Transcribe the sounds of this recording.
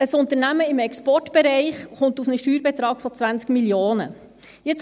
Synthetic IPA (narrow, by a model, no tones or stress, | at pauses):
əsʊnt̪əɾnæməɪmɛkspɔrtb̥ɛɾɛɪχχʊntufnəʃtyːɾbɛt̪ɾɑːɡ̥fɔt͡sʋænt͡skmiljoːnə̰ | jɪt͡s